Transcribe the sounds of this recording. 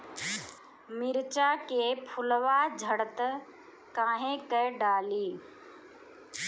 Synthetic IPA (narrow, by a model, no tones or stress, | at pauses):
mɪɾt͡ʃaːkeːpʰʊlʋaːd͡ʒʱəɽət̪ə | kãːɦẽkəɖaːliː